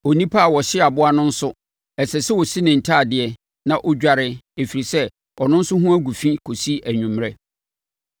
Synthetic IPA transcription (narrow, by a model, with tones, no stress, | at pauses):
o˨nĩ˦pʰa˦a˨wɔ˨ɕɪ˦a˨bʊ˦a˦nʊ̃˦n̩˦sʊ˦ | ɛ˨sɛ˨sɛ˦wɔ˨si˦nɪ̃˨n̩˨tʰaː˦˨dɪ˨ɛ˦ | nã˨ʔɔ˦d͡ʑᶣa˦˨ɾɪ˦e˨fi˨ɾi˨sɛ˦ | ɔ˨nʊ̃˦n̩˦sʊ˦ɦʊ̃˦æ˦ɡu˨fĩ˦kʰo˨si˦ʔæ˨ɲᶣũ˨mɾɛ˦